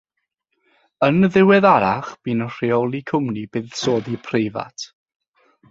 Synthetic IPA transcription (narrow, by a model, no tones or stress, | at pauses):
ənðɪwɛðaɾaχb̥iːnər̥iɔlˠikʰʊmnibɪːð̥soːðipʰrejva̰tʰ